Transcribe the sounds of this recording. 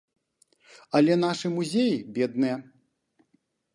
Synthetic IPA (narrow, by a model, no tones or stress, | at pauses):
ɐlʲɛn̪aʂɨmuzʲejibʲɛd̪̚nɨjɛ